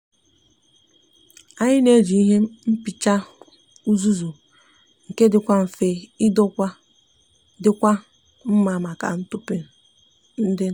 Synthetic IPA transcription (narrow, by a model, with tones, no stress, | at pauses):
a˨ɲɪ˦ne˦d͡ʒi˨i˦ɦe˦m̩˦pɪ˨t͡ʃa˦ | u˦zu˦zu˨ | ŋ̩˨ke˦dɪ˨kʷa˦m̩˨fe˦ɪ˦dɔ˦kʷa˦ | dɪ˦kʷa˦ | m̩˦ma˨ma˨ka̰˨n̩˦tʊ˦pe˨ | n̩˦dɪ˦